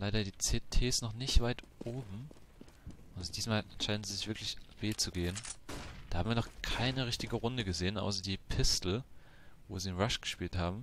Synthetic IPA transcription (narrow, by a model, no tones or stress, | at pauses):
laɪɾɐdiːt͡seːtʰeːsnɔχnɪçtv̥aɪtʔoːbm̩ | ʔʊntd̥iːsmaːlɛʃaɪdn̩ziːzɪçv̥ɪɐklɪçv̥eːt͡suɡeːənd̥ahabm̩viːɐnɔχkʰaɪnəʁɪçtɪɡəʁʊndəɡəzeːənʔa̰ʊsɐdiːpʰɪstl̩ | vo̰ːziːɪnʁaʃɡ̥əʃpiːlthaːbm̩